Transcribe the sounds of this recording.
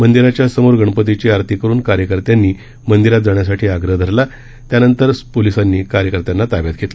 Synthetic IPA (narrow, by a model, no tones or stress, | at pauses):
mənd̪iɾat͡ɕjasəmoɾɡʱəɳ̃pət̪̬it͡ɕiːaɾt̪ʰikəɾuːnkaɾjəkəɾt̪janːiː | mənd̪iɾat̪̚d͡zaɳ̃jasaʈʰiːaɡɾəɦd̪ʱəɾla | t̪janənt̪əɾpolisanːiːkaɾjəkəɾt̪janːat̪aʋjat̪̚ɡʱet̪la